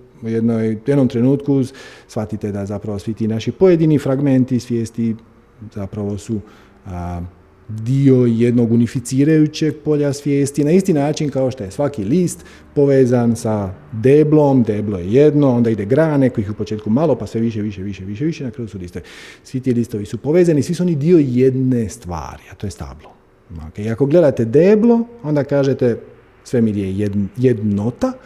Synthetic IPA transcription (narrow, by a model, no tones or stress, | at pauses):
ujed̪nojjed̪nomt̪ɾe̞nuːt̪kusʋat̪it̪e̞d̪azapɾaʋosʋit̪iːnaʃipo̞je̞d̪inifɾaɡme̞nt̪isʋje̞ːst̪i | z̥apɾaʋo̞su | d̪io̞je̞d̪no̞ɡunifit̪siːɾajut͡ɕe̞ɡ̚po̞ʎasʋje̞ːst̪inaist̪inaːt͡ʃinkaoʃt̪oje̞sʋakiliːst̪ | po̞ʋeːzansad̪eːblomd̪e̞ːblojejed̪no̞o̞nd̪aid̪e̞ɡɾaːne̞ko̞jiçupo̞t͡ʃe̞ːt̪kumalˠo̞pasʋe̞ʋiʃ̬eʋiʃeʋiʃeʋiʃ̬eʋiʃenakɾaːjusuliːst̪oʋisʋit̪iːliːst̪o̞ʋisupo̞ʋeːzanisʋisuonid̪io̞je̞d̪nest̪ʋa̰ːɾiat̪o̞jest̪a̰blˠo | okeiako̞ɡle̞d̪at̪e̞d̪eːblo̞o̞nd̪akaːʒet̪e | sʋe̞mid̪iejejed̪not̪a